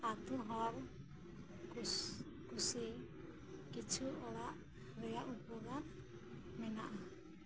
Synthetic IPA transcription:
at̪uɦɔl | u | kusi | kit͡ʃʰuɔlaʔ | ɾɛaʔupula | mɛnaʔa

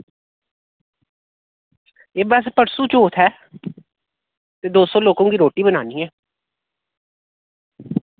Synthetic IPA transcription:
eːbɛːs̬pəɽsuːt͡ʃoːt̪ʰɛː | t̪eːd̪oːsɔːloːkõːkiːɾoːʈiːbənaːniːɛː

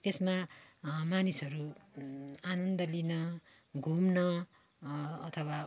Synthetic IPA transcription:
t̪esma | manisʌɾu | anʌnd̪ʌlinʌ | ɡʱumnʌ | t̪ʰʌwa

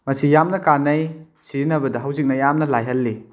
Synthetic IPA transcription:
mɐsijamnɐkanɐj | siɾinɐbɐdɐɦɐwzik̚nɐjamnɐlajɦɐlːi

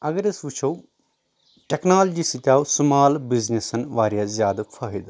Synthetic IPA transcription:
ɐɡəɾɐsʋut͡ʃʰo | ʈeknaːld͡ʒiːsit̪aːusʊmaːlbiznesɐnʋaːɾjaːzjaːd̪afʰaːɦid̪

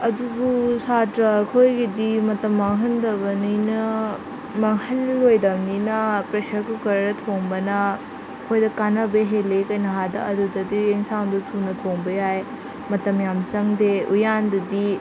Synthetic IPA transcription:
ɐdubusatɾɐkʰojɡidimɐtɐmːɐŋɦɐndɐbɐninɐ | mɐŋhɐnlojdɐmninɐpɾesɐɾkukɐɾɐɾɐtʰoŋbɐnɐ | kʰojdɐkanɐbeɦelekɐjnɐɦadɐ̰ɐdudɐdieŋsaŋdutʰunɐtʰoŋbɐjaj | mɐtɐmjamt͡ʃɐŋdeujandɐdi

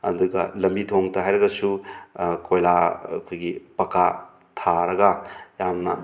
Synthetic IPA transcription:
ɐ̰duɡɐ̰lɐmbitʰoŋtɐɦajɾɐɡɐsu | kʰojlakʰojɡipɐka | tʰaɾɐɡɐjamnɐ̰

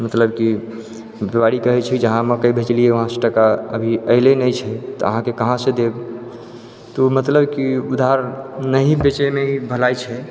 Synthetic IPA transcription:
mət̪ləbki | bewaɾikəɦɛt͡ʃʰɛd͡ʒəɦãməkəjbʱet͡ʃlijeʋəɦãseʈəkaəbʱiəɪlenəjt͡ʃʰɛt̪ɔəɦãkekəɦãsed̪eb | t̪omət̪ləbkiud̪ʱaɾnəɦĩbet͡ʃəmeibʱəlajt͡ʃʰɛ

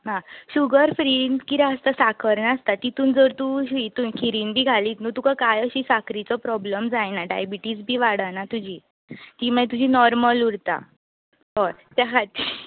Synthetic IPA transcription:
ɦãɕuɡəɾfɾinkit̪aəst̪asakʰəɾnast̪at̪it̪ʰuːnd͡zəɾt̪uɕit̪uːnkʰiɾiːnbʱiːɡʱaliːt̪nut̪ukakajəɕiːsakɾit͡sɔpɾɔbləmd͡zajnaɖa̰jbiʈiːd͡zbʱiːʋaɽanat̪ud͡ʑʱiː | t̪iməet̪ud͡ʑʱiːnɔɾməluɽt̪a̰ | ɦɔt̪jakʰat̪iː

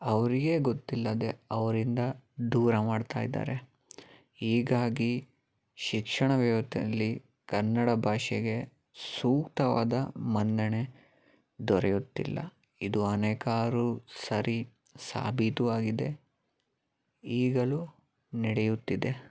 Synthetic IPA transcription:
ɐʋɐɾiɡe̞ɡot̪ːilːɐd̪eɐʋɐɾind̪ɐd̪uːɾɐmaːɖt̪a̰ːjid̪a̰ːɾe̞ | iːɡaːɡi | ʃikʂɐɳɐʋɛːʋɐt̪ʰiɐlːi | kɐnːɐɽɐbʱaːʃɛɡe̞ | suːkt̪ɐʋa̰ːd̪ɐmɐnd̪ɐne̞ | d̪ɔɾejut̪ːḭlːɐ̰ | id̪uɐnɛːkaːɾusɐɾi | sa̰ːbʱit̪uʋaːɡid̪e̞ | iːɡɐlu | niɽejut̪ːid̪e̞

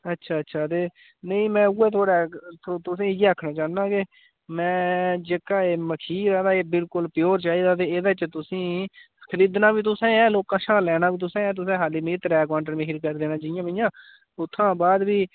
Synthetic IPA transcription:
ətːʃʰaːəːʃʰaːt̪eː | nəĩːmɛ̃ːuːɛːt̪ʰoːɽɛːt̪ʰːt̪ʊsĩːɡeakʰːnaːt͡ʃãːnãːkeː | mɛ̃ːd͡ʒeːkaːeːməkʰiːɾɛːd̪aːeːbɪlkʊlpɪjoːɾt͡ʃaːiːd̪aːt̪̬eːed̪aːt͡ʃt̪ʊsĩː | kʰəɾiːd̪naːbiːt̪ʊsẽːɛːloːkãːʃaːlɛːnãːbiːt̪ʊsẽːɛːt̪̬ʊsẽːɦaːliːmet̪ɾɛːk̬aːɳʈəɾmẽːɦɪɾkəɾd̪eːnãːd͡ʒɪjãːmɪjãː | ʊt̪ʰːãːbaːd̪biː

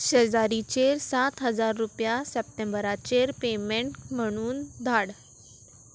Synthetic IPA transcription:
ɕed͡zaɾit͡ɕeɾsat̪ɦəd͡zaɾːupjasɛp̚ʈembəɾat͡ɕeɾpemeɳʈm̤əɽ̃uːnd̪ʱaɽ

